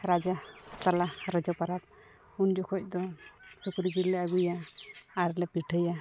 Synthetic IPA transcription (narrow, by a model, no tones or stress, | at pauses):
ɾad͡ʒasalaɾəd͡ʒɔpaɾap̚ | undɔkʰɔc̚ˀd̪ɔsukɾid͡ʒilɛaɡujaː | ɾlɛpiʈʰəja